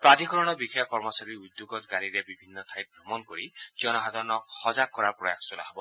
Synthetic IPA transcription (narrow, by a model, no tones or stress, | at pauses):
pɾad̪ʱikɔɾɔɽ̃ɔbikʰjakɔɾmɔsaɾiud̪juɡɔt̪ɡaɾiɾebibʱinːɔt̪ʰajt̪̚bʱɾɔmɔnkoɾid͡ʒɔnɔɦad̪ɔɾɔnɔkhɔd͡ʒak̚kːɔɾaɾpɾɔja̰kʰsula̰ɦɔbɔ